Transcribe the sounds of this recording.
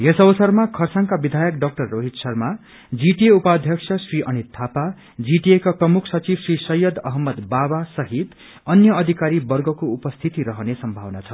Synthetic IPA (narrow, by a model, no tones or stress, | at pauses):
jesʌbʌsʌrmakʰʌrsaŋkabid̪ʱajʌkɖʌk̚ʈʌrːoɦiʈ̪sʌrma | d͡ziʈieupad̪ʱjʌksʰʌsriʔʌnit̪ʰːapa | d͡ziʈiekaprʌmukʰsʌt͡sibsrisʌjːʌd̪ʌɦmːʌd̪babasʌɦit̪ | ʌnjʌʌd̪ʱikaɾibʌrɡʌkoupʌst̪ʰit̪iɾʌɦʌnesʌmbʱawnat͡sʰʌ